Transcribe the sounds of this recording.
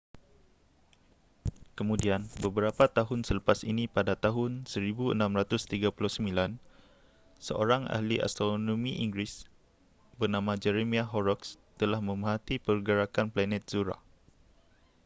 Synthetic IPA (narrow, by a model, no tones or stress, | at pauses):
kəmũdianbəbəɾapat̪aɦʊnsələpasinĩpadat̪aɦʊnsəɾibuə̰nãmɾat̪ʊst̪iɡapulʊhsəmilan | sə̰ʔo̰ɾaŋʔa̰hlia̰st̪ɾonõmiʔiŋɡɾis | bərnãmãd͡ʒɛɾemiaɦɔɾɔks | t̪əlahmə̃məɦat̪ipərɡəɾakanplanɛt̪̚z̥uɾa̰